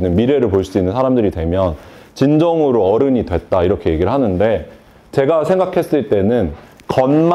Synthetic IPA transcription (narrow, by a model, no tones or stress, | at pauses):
nːɯnmiɾe̞ɾɯɭpoɭs͈uinːɯnsʰaɾamdɯɾidwe̞mjʌn | t͡ɕind͡ʑʌŋɯɾoʌɾɯɲidwe̞t̚t͈aiɾʌkʰe̞je̞ɡiɾɯɭɦanɯnde̞ | t͡ɕe̞ɡasʰe̞ŋɡakʰe̞s͈ɯɭt͈e̞nɯnkʌnm